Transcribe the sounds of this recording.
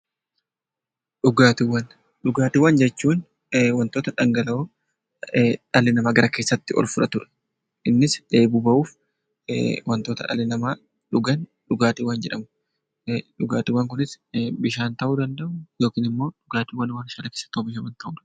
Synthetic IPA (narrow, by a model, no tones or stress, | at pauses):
ᶑʊɡaːt̪ɪwːɐn | ᶑʊɡaːt̪ɪwːɐnd͡ʒɛt͡ʃːuːn | wɐnt̪o̞ːt̪ɐᶑɐŋɡɐlɐo | ᶑɐlːɪnɐmaːɡɐɾɐke̞ːsːɐt̪ːɪɔ̰lfʊɾɐt̪ʊᶑɐ̥ | ʔɪnːɪsᶑe̞ːbuːbɐʔuːf | wʔɐnt̪o̞ːt̪ɐᶑɐ̰lːɪnɐmaː | ᶑʊɡɐn | ᶑʊɡaːt̪ɪwɐnd͡ʒɛᶑɐmɐ | ᶑʊɡaːt̪ɪwːɐŋk̬ʊnɪsbɪʃaːnt̪ɐʔuːd̪ɐnd̪ɐʔʊjo̞ːkiːnɪmːo̞ːᶑʊɡaːt̪iwɐnɪwɐnɪʃɐlɐkeːsːɐ̥t̪ːɐʊbɪʃɐwɐnt̪ɐʔuːᶑ